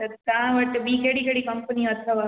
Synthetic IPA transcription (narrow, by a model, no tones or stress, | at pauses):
ɐt̪ãːʋɐʈːbiːkeɽikeɽikɐmpəniɐt̪ʰːɐʋa